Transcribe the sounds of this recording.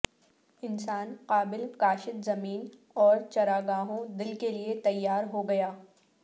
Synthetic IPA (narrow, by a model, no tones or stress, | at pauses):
ɪnsaːnqaːbɪlkaːʃɪt̪zɐmiːn | ɔːɾt͡ʃɐɾaːɡaːɦõd̪ɪlkeliet̪ɐjːaːɾɦoɡɐjaː